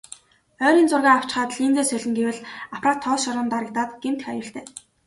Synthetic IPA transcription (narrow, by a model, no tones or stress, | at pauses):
œːɾiːnt͡sʊrɣaːaw̥t͡ɕχaːt̪ɮint͡s̪eːsœɮʲɪ̆ŋɡewɘ̆ɮapʰraːt̪ʰːɔːsʃɔɾə̆nt̪aɾə̆k̚t̪aːt̪ɡem̥t̪̆xajʊːɬt̪eː